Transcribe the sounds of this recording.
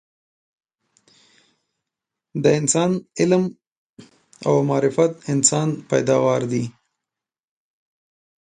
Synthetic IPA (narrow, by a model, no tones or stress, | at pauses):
d̪əɪnsɑnɪlm | a̰wmɑːɾɪfat̪̚ɪnsɑnpa̰jd̪ɑwɑɾd̪i